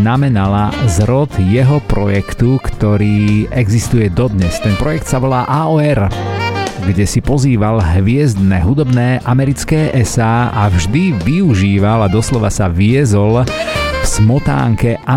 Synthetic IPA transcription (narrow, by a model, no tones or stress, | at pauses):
namɛnalazɾɔt̪jɛɦɔpɾɔjɛkt̪ukt̪ɔɾiːɛɡzist̪ujɛd̪ɔd̪ɲɛst̪ɛnpɾɔjɛkt̪saʋɔlaːʔaːɔːɛɾ | ɡɟɛsipɔziːʋalɦʋɪɛzd̪nɛɦud̪ɔbnɛːʔamɛɾit͡skɛːʔɛsaːavʒd̪iʋiuʒiːʋalad̪ɔslɔʋa̰saʋɪɛzɔlfsmɔt̪a̰ːŋkɛʔa